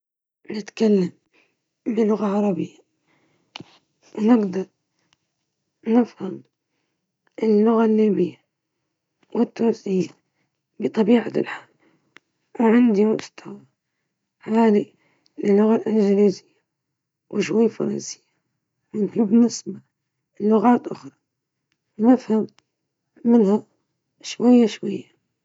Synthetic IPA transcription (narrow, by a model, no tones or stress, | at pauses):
nɪt̪kalːam | bɪlːʊɣaʕɑɾˤɑbɪjːa | wnɪɡd̪ɑɾˤ | nɪfham | ʔɪlːʊɣalːiːbɪjːa | wɪt̪ːʊnsɪjːa | bɨt̪ˤɑbiːʕat̪lħaːl | ʕɪnd̪imʊʔst̪a | ħaːli | lɪlːʊɣalʔɪnd͡ʒɪliːzɪjːa | wʔɪʃwajːfɑ̰ɾˤɑ̰nsɪ̥jːa | mɪnhibɪnɪsba | lːʊɣaːt̪ʔʊxɾˤɑ̥ | nɪfhamː | ɪnha | ʃwajːaʃwajːa